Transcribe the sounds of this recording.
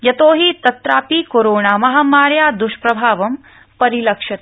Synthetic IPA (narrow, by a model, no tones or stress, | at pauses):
jɐt̪oːɦit̪ɐt̪ɾaːpiːkoɾoːɳaːmɐɦaːmaːɾjaːd̪uʃpɾɐbʱaːʋɐm | pɐɾilɐkʂɐt̪̚